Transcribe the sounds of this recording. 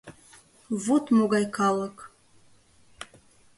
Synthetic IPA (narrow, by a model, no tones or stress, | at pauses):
vutʰmuɡajkʰaləkʼ